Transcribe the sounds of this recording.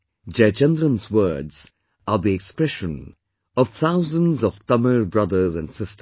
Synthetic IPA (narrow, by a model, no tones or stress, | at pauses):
d͡ʒɛt͡ʃɛ̃nd̪ɾə̃nzwɜːdz̥ | əðiɛkspɹɛʃə̃n | ɔv̥t̪ʰaʊzə̃nzɔv̥θʌmə˞bɹʌðə˞zæ̃nsɪstʰə